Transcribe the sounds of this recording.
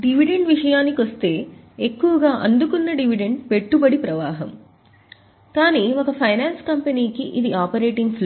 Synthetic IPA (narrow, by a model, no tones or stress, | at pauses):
ɖiʋiɖe̞ɳɖʋiʂɐjaːnːikʋɐst̪e̞ː | ekːuʋɐɡaːʔɐnd̪ukunːɐɖiʋiɖeɳɖpe̞ʈːubɐɽipɾɐʋaːɦɐm | kaːniːokɐpʰɐjnaːnskɐmpɐniːkiʔid̪iaːpɐɾe̞ːʈiŋɡpʰl